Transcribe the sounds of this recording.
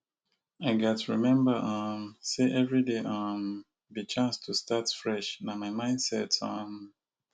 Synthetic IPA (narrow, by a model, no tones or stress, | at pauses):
aɪɡatɹimɛ̃mbəʔʌ̃mseʔɛvɹideʔʌ̃m | bit͡ʃãnstʰustatfɹɛʃnamaɪmãɪ̃nd̥sɛtʌm